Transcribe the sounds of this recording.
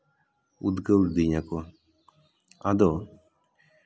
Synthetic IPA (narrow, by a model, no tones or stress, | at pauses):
ud̪ɡəɾd̪iɲako | ad̪o